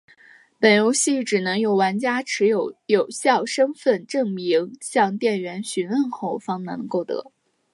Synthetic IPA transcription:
pə˨˩njo˧˥ʊɕi˥˩ʈ͡ʂɻ̩˨˩nɤ˧˥ŋjo˨˩ʊwa˧˥nt͡ɕja˥ʈ͡ʂʰɻ̩˧˥jo˧˥ʊjo˨˩ʊɕjɑ˥˩ʊʂɤ˥ŋfə˥˩nʈ͡ʂɤ˥˩ŋmi˧˥ŋɕjɑ˥˧ŋt̪jɛ˥˩nɥɛ˧˥nɕy˧˥nwə˥˧nxo˥˩ʊfɑ˥ŋna˧˥n˧ŋko˥˩ʊt̪ɤ̰˧˥

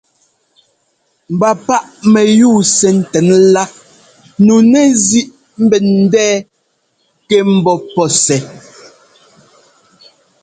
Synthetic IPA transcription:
m̩˨ba˨pa˦ʔmɛ˨juː˦˨sɛ˨n̩˨tɛ˨˦nla˦ | nu˨nɛ˦zi˦ʔ | m̩˦bɛ˨n̩˦dɛː˦ | kɛ˦m̩˦bɔ˦pɔ˦sɛ˨˦

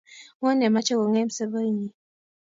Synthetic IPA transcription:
wo˦nɛ˨ma˦t͡ʃe˦ko˨ŋe˦m̩˨sə˦bə˦ɲi˨

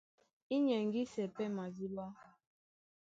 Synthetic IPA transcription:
i˦ɲɛ˨ŋ̩˨ɡi˦sɛ˨pɛ˦ma˨zi˦lwa˦

